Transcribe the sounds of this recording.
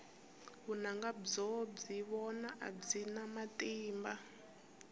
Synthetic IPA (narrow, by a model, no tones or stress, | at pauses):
βunaŋɡad͡zɔb͡ʐiβɔnaʔa̰b͡ʐinamatʼiːmba